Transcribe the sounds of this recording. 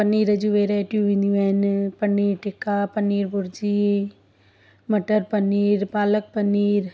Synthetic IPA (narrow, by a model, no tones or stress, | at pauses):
pɐnːiːɾɐd͡ʒuʋeːɾɛːʈjuːʋinuɛːnpɐnːiːɾʈɪkapɐniːɾbʊɾd͡ʒi | mɐʈəɾpəniːɾpaːlək̚pəniːɾ